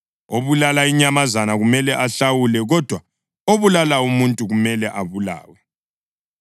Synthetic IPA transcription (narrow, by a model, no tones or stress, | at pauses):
oβulalaiɲamazanaɣumɛlɛʔaɬawulɛɣɔd̥ʱwa | oβulalaumuntʼuɣumɛlɛʔaβula̰ːwɛ